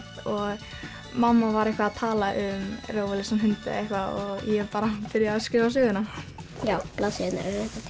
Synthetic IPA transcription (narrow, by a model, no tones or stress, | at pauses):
ɔɣ | mamːavaɾejhkvaːðt̪ʰaːlaʔʏmrowvalɪsanɦʏnt̪ɪ̰ehkvaɔɣjɛpaːɾapɪɾjaːskɾɪːvas̬ʏːɣʏnajaːwplaðsena̰ɾɛa